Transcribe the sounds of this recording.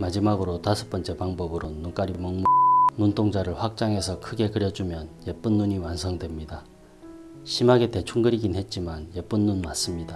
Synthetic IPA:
mad͡ʑimaɡɯɾotasʰɯ̥p͈ʌnt͡ɕ͈e̞paŋbʌbɯɾonːunk͈aɾimʌŋmununtʰoŋd͡ʑaɾɯɭɸwak̚t͡ɕ͈aŋe̞sʰʌkʰɯɡe̞kɯɾjʌd͡ʑumjʌnje̞p͈unːuɲiwansʰʌŋdwemɲida | ɕʰimaɡe̞te̞t͡ɕʰuŋɡɯɾiɡinhe̞t̚t͡ɕ͈imanjep͈unːunmas͈ɯmɲida

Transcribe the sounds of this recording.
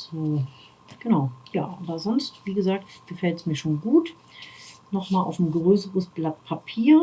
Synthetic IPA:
z̥oː | ɡ̥ənaʊja̰ːʔaːbɐzɔnstv̥iːɡəzaːk̚tɡ̥əfɛltsmiːɐʃoːnɡuːt | nɔχmaːlʔa̰ʊfn̩ɡʁøːsəʁəsb̥latpʰapʰiːɐ

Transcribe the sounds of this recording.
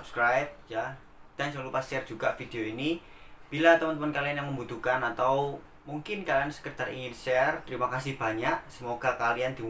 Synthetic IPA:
upskɾajp̚ja | d̪̥ansəŋlupasɛɛrd͡ʒuɡaʔfid̥̪eoini | b̥ilat̪əmənt̪̬əmənkalianjaŋməmbut̪ukanat̪aw | muŋkɪnkaliansə̥kət̪arḭŋɪnʃɛɛrt̪əɾimakasɪhb̥a̤ɲaʔsəmoɡ̥akaliand̪̥i

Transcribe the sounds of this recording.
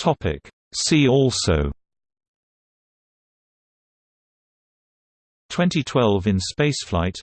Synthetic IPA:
tʰɒpɪ̰k | siːɔˑlˠsəʊ | tʰw̥ɛ̃ntitʰw̥ɛlˠvɪ̃nspeɪsflaɪt

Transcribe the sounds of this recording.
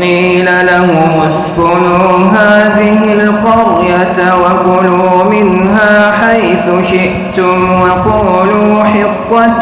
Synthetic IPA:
iː | lalahʊmʊsbʊnuː | ɦaːðɪhɪlqɑɾjat̪ | waqʊluːmɪnɦaːħajθʊʃɪʔ | t̪ʊmwɑquːluːħɪqːa

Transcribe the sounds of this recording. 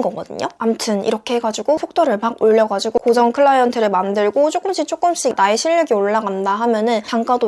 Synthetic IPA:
ɡʌɡʌdɯ̰ɲoamtʰɯnḭɾʌkʰeeɡad͡ʑuɡosʰok̚t͈ʰʌɾɯɭpaɡ̚oɭːʌɡad͡ʑiɡokod͡ʑʰʌŋkʰɯɭːaiʌntʰɯɾɯɭmandɯɭɡot͡ɕʰok͈ɯmɕ͈it͡ɕʰok͈ɯmɕ͈inaeɕʰiɭːɯɡioɭːaɡandaɦamjʌnɯnt͡ɕaŋk͈ado

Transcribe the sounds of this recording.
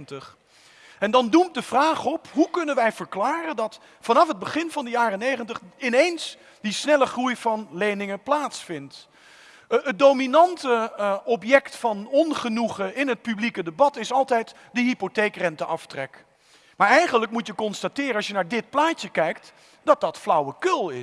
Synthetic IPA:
ntəχ | ɛndɑndumt̚dəv̥raːχɔpɦukɵnənʋɛjv̥əɹklaːrəndɑt | fɑnɑfɦəd̚bəχɪnvɑndəjaːrənejχəntəχɪnejns | disnɛləχrujvɑnlejnɪŋəplaːtsfɪnt | ət̚dowminɑntəɔpjɛktfɑnɔnχənuχəɪnɦət̚pyblikədəbɑtɪsɑlˠtɛjt | dəɦipotejkrɛntəʔɑftrɛk | maːɹɛjχənlək̚mutjəkɔnstatɪːɾəɑsjənaːɹdɪt̚plaːcəkɛjkt | d̥ɑt̚dɑtflʌwəkɵlˠɪ

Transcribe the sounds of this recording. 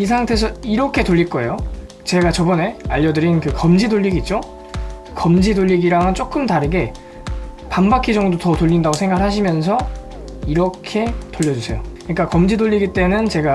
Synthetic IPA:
is̬ʰaŋtʰe̞s̬ʰʌiɾʌkʰe̞toʎːiɭk͈ʌe̞jo | t͡ɕe̞ɡat͡ɕʌbʌne̞aʎːʌdɯɾinkɯkʌmd͡ʑidoʎːiɡit̚t͡ɕ͈o | kʌmd͡ʑidoʎːiɡiɾaŋɯnt͡ɕ͈ok͈ɯmtaɾɯɡe̞ | panbakʰid͡ʑʌŋdotʌtoʎːindaɡosʰeŋɡaɡɯɭhaɕʰimjʌns̬ʰʌ | iɾʌkʰe̞toʎːʌd͡ʑusʰe̞jokɯɲik͈akʌmd͡ʑidoʎːiɡit͈e̞nɯnt͡ɕe̞ɡa

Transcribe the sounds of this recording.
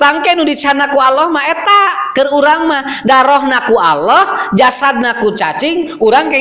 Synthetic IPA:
t̪aŋkɛnudit͡ʃanakualɔhmaɛt̪akəruɾaŋmahdaɾɔhnakuʔa̰lɔhd͡ʒasad̪̚nakut͡ʃat͡ʃiŋuɾaŋkɛ

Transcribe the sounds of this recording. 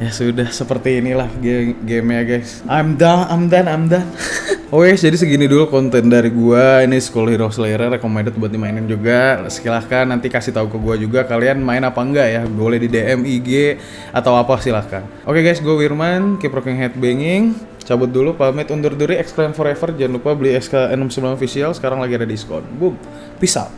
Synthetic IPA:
jasudahsəpərt̪iːnilahɡeɡemjaɡajsʔamdaŋamdanamdanowɛsd͡ʒadisəɡinidulukɔnt̪ɛndaɾiɡuainisə̥kolɔhiɾosleɾərkomedat̪̚buat̪̚dimainɪnd͡ʒuɡasə̥ilakanːant̪ikasiht̪aukəɡuad͡ʒuɡakalianmaɪnapaŋɡaʔjaɡolɛhdideɛmiɡe | at̪awapasilakan | ʔokeɡajsɡuawirmankipɾɔkɛŋɦɛt̪̚beŋɪŋ | t͡ʃabʊt̪̚dulupamɛt̪und̪ʊrd̪uɾiɛksklɛmfɔɾefərd͡ʒanlupabəliɛkskaɛnəmsəbəlamofisialsə̥kaɾaŋlaɡiadadiskɔ̰nbum | pisa̰l

